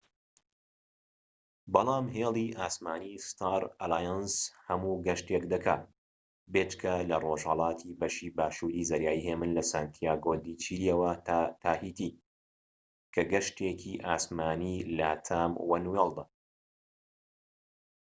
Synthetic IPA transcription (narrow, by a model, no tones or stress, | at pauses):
bɑlˠɑːmɦeːlˠiʔaːsmaːnist̪ʰaːɾɐlaːjanshɐmuːɡɐʃt̪ekd̪ɐkʰa̰ː | beːt͡ʃkʰɐlɐroːʒhɐlˠɑːt̪ʰibɐʃiːbaːʃuɾiːzɐɾjaːiːheːmɨnlɐsaːnt̪ʰijaːɡoːd̪it͡ʃʰiːlijɛwɐt̪ʰaːhiːt̪iː | kʰɐɡɐʃt̪ekʰiʔaːsmaːniːlat̪ʰaːmwɐnuelˠd̪a